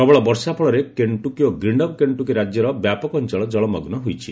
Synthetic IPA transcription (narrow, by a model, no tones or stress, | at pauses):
sɔbɔɭɔbɔɾsapʰɔɭɔɾekeɳʈukiɔɡɾiɳɖɔbkeɳʈukiɾad͡ʒjɔɾɔbjapɔkɔnt͡ʃɔɭɔd͡ʒɔɭɔmɔɡnɔɦojt͡ʃʰi